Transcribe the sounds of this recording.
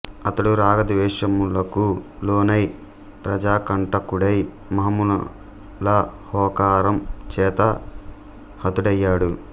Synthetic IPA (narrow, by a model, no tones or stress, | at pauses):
ɐt̪ɐɽuɾaːɡɐd̪ʋɛːʂɐmulɐkuloːnɐj | pɾɐd͡ʒaːkɐɳʈɐkuɽɐj | mɐɦɐmunɐ | lɐ | hɔːkaːɾɐmt͡ʃɛːt̪ɐ | hɐt̪uɽɐjːaːɽu